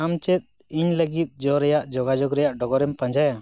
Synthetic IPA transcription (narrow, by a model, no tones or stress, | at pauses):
amt͡ʃɛt̪̚ | iɲləɡit̪̚ˀd͡ʒɔɾɛjaʔd͡ʒɔɡad͡ʒɔɡɾɛjaʔɖɔɡɔɾɛmpãɲd͡ʒaja